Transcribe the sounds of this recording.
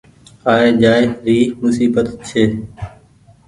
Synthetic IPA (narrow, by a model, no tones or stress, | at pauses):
aːeːd͡ʒaːɪɾiːmʊsiːbət̪t͡ʃʰeː